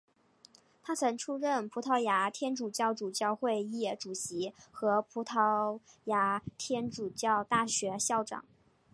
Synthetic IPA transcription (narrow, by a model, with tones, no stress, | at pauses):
t̪ʰa˥t͡sʰɤ˧˥ŋʈ͡ʂʰu˥ɻə˥˩npʰu˧˥t̪ʰɑ˧˥˩ʊja˧˥t̪ʰjɛ˥nʈ͡ʂu˨˩t͡ɕjɑ˥˩ʊʈ͡ʂu˨˩t͡ɕjɑ˥˧ʊxwe˥˧ɪjɛ˥˩ʈ͡ʂu˨˩ɕi˧˥xɤ˧˥pʰu˧˥t̪ʰɑ˧˥ʊja˧˥t̪ʰjɛ˥nʈ͡ʂu˨˩t͡ɕjɑ˥˧ʊt̪a˥˩ɕɥɛ˧˥ɕjɑ˥˩ʊʈ͡ʂɑ̰˨˩˦ŋ